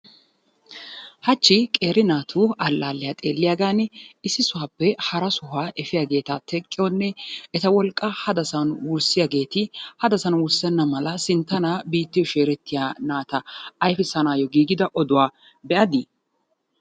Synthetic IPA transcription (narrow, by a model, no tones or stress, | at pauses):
hɐt͡ʃːɪkʼe̞ːɾɪnaːt̪ʰuːɐlːaːlːɪjat̪ʼe̞ːlːɪjaːɡaːnɪsːɪsʊhaːpːɛhɐɾɐsʊɦaːʔɛfɪjaːɡe̞ːt̪ɐt̪ʰɛkʼːɪjɔnːɛɛt̪ɐwɔlkʼːɐhɐd̪ɐsɐnwʊɾsɪjaɡe̞ːt̪ɪhɐd̪ɐsɐnwʊɾsɛnːɐmɐlɐsɪnt̪ːɐnaːbiːt̪ːɪjɔʃeːɾɛt̪ːɪjaːnaːt̪ɐːjfɪsɐnaːjɔɡiːɡɪd̪ɐʔɔd̪ʊwaː | bɛʔɐd̪ɪ